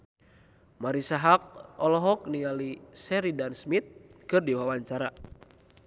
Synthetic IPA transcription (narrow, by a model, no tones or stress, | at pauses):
maɾisaɦak̚ɔlɔɦɔk̚nialisɛɾidansmit̪̚kɨrdiwawaɲt͡ʃaɾa